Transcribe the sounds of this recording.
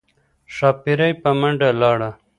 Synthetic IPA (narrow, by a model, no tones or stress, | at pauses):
ʂɑːpiɾajpɐmɐɳɖalɑːɽa